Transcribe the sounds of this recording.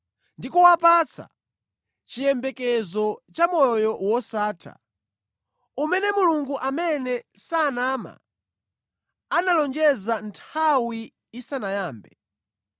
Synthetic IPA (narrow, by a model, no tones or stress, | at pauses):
ndikuwapat͡sa̰ | t͡ʃijɛmbɛkɛzɔt͡ʃamɔjɔwɔsaːtʰa̰ | umɛnɛmuluŋɡuʔamɛnɛsaːnama̰ | analɔnd͡ʒɛzantʰawiː | sanajaːmbɛ